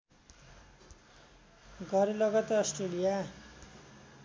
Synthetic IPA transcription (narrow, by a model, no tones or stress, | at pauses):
ɡʱʌɾilʌɡʌt̪ʌsʈrelija